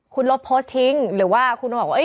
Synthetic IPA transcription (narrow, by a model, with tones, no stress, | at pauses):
kʰu˧nlo˦˥t̪̚pʰoː˦˥st̪ʰi˦˥ŋɾɯː˩˦waː˥˩kʰu˧nbɔː˨˩wa˧˥ʔ